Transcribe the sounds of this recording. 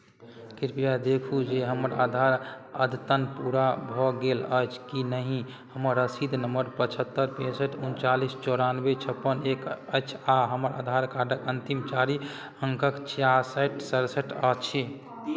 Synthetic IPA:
kiɾpijad̪ekʰud͡ʒeɦəməɾa̰d̪ʱaɾə̰d̪ʱt̪ənpuɾabʱɔɡeləjt͡ʃʰkinəɦĩ | həməɾəsid̪ʱnəmbəɾpət͡ʃʰət̪ːəɾpesəʈunt͡ʃalist͡ʃɔɾanbet͡ʃʰəpːənekət͡ʃʰaɦəməɾa̰d̪ʱaɾkaɖəkənt̪imt͡ʃaɾi | əŋkəkt͡ʃjaɾsəʈsəɾsəʈət͡ʃʰi

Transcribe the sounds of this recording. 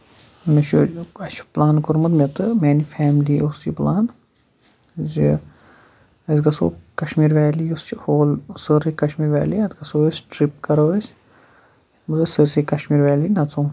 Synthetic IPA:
nɐʃuɐt͡ʃʰu̥plaːnkoɾmɐd̪met̪ɨmɛːnifʰæːmliost͡ʃiplaːn | zi | ɐzɡɐso̰ːkɐʃmiːɾʋɛːliost͡ʃihoːlsɨɾikɐʃmiːɾʋɛ̰ːliɐt̪ɡɐsoːesʈɾip̚kɐɾɐʋɐs | mɨzɐsɨɾsikɐʃmiːɾʋaːlinɐt͡sũː

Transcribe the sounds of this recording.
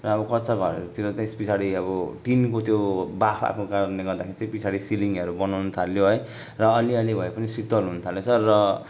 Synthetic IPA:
rʌːbʌkʌt͡sʌɡʱʌɾʌ̰ɾut̪iɾoaspit͡sʰaɾiʌbʌʈinkot̪jobapʰa̰pʰnokaneɡʌɾd̪akʰeɾit͡sʌĩpit͡sʰaɽisiliŋʌɾubʌnawnʌt̪ʰaljoɦʌj | rʌːliʌlibʱʌepʌnisit̪ʌlɦunʌt̪ʰaljosʰʌːʌ

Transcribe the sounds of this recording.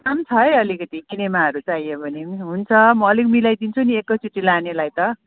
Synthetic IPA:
kamt͡sʰʌjʌlikʌt̪isinemaɦʌɾut͡sajebʱʌneɦunt͡sʰʌmʌːlikmilajd̪int͡sʰuniekːʌt͡suʈːilanelajt̪ʌ

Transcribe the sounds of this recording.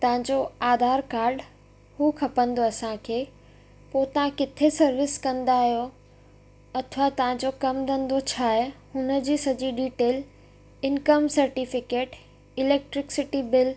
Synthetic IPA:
t̪ɐʋ̤ə̃ɲd͡ʑoaːd̪ʱaːɾkaːɾɖ | huːkʰɐpə̃nd̪oɐsãkʰeː | poːt̪ɐʋ̤ãkɪt̪ʰesɐɾʋɪskɐ̃nd̪aɦijo | ɐt̪ʰʋat̪ɐʋ̤ãɲd͡ʑokɐmd̪ʱə̃nd̪ot͡ɕʰaːɦehʊnə̆d͡ʑiːsɐd͡ʑiɖiːʈeːl | ɪnkəmsɐɾʈifɪkeːʈ | ɪleːk̚ʈɾɪksɪʈibɪl

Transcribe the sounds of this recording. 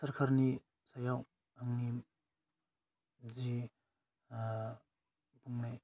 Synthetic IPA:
sɐɾkʰaɾni | sajaw | aŋni | zi | buŋnaj

